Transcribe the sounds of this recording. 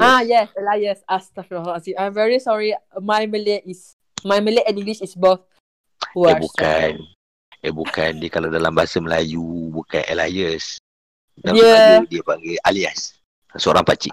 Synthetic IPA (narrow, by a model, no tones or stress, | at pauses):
ajɛsəlajəsast̪akɔasiãjmvɛɹisɔɹimajməleis | majməleɛ̃nĩŋɡliʃisboθ | wabukan | əbukandiəkalawdalambaasəməlajubuka̰nə̰lajəs | dajɛjudiəpaŋɡajʔalias | səoɾaŋpat͡ʃiʔ